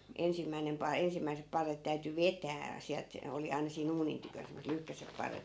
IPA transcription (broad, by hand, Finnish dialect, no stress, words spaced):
ensimːæinem pɑi ensimːæisep pɑrːet tæyty ʋetæː siælt oli ɑinɑ siːn uːnin tykøn semːoset lyhkæsep pɑrːet